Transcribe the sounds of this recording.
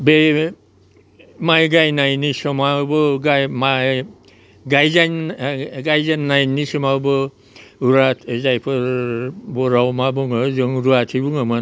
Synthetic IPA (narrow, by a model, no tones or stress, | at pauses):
be | majɡajnajnisɔmabɔɡajma | ɡajzanɡajzanːajnisɔmabɔ | uɾatʰezajpʰɔɾbɔɾawmabɔŋɔzɔŋɾuatʰibuŋɔma